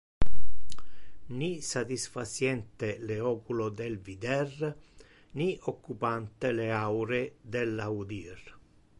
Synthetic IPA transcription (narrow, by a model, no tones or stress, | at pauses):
nisat̪isfasjɛnt̪eleɔːkulod̪elvid̪ɛr | niokːupant̪eleawɾed̪elːaud̪ir